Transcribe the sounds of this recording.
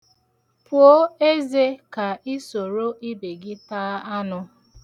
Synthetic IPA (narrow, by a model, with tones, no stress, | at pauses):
pʊ˨o˦e˦ze˦ka˨i˦so˨ɾo˦ʔi˦be˨ɡɪ˦taː˦a˦nʊ˦